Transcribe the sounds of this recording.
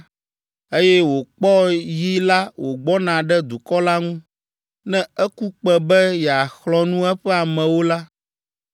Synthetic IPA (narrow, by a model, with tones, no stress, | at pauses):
e˦jɛ˦wo˨k͡pɔ˦ji˦la˦wo˨ɡ͡bɔ˦nã˨ɖɛ˦d̪u˨kɔ˦la˦ŋũ˦ | nɛ̃˦ɛ˦ku˦k͡pɛ˨bɛ˦jɛ˨a˨xlɔ˦nũ˦ɛ˦ɸɛ˦a˨mɛ̃˨wo˦la˦